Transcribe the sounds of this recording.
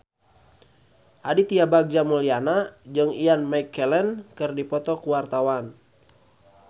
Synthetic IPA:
ʔadit̪iabaɡ̚d͡ʒamulianad͡ʒɨŋijanmajkːɛlɛnkɨrdipɔt̪ɔkuwart̪awan

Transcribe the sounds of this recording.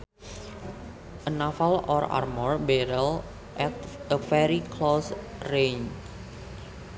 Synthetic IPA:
ʔənafalɔra̰rmɔrbɛɾəl | ʔɛt̪̚ʔəfɛɾikʰlosren

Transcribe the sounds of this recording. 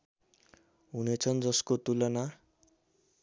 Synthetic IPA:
ɦunet͡sʰʌnd͡zʌskot̪ulʌna

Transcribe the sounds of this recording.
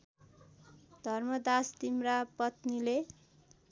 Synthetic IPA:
d̪̥ʱʌrmʌd̪ast̪imrapʌt̪nile

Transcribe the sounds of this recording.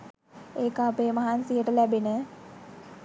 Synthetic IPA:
eːkapeːmaɦansijəʈəlæbenə

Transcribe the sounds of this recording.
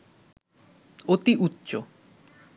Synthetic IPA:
ot̪iʔutːɕo

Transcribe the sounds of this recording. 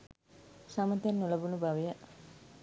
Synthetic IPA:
samət̪jenːuləbunubaʋejə

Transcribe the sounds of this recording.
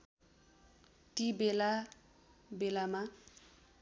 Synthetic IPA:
t̪ibela | belama

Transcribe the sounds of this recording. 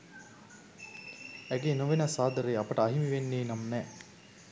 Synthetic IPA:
æɡenoʋenasaːd̪əɾejɐpəʈəɐɦimiʋenːeːnamnɛ

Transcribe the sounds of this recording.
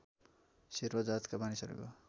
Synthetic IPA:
siɾbʌd͡zat̪kabanisʌɾḛko̰

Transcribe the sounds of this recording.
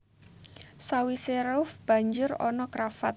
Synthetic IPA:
sawiseɾʊfb̥a̤ɲd͡ʒʊrɔ̰nɔkɾafat̪̚

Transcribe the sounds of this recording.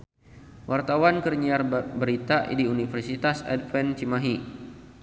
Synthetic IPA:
wʔart̪awankərɲiarbəɾit̪aʔdiunifərsit̪asɛ̰dfɛnt͡ʃimaɦi

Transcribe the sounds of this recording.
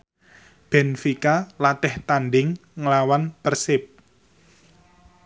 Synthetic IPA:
b̥ɛnfikalat̪ɪht̪anɖɪŋːəlawanpərsɪp̚

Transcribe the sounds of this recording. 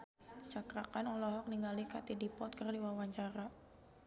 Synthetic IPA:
t͡ʃakɾakanɔlɔɦɔk̚niŋɡalikat̪idipɔt̪̚kərdiwawaɲt͡ʃaɾa

